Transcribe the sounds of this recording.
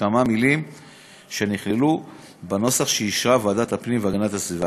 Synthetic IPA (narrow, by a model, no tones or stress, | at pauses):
amamilim | ʃe̞niχlelu | beno̞saχʃejiʃʁavadat̪hapnimveaɡanatasviva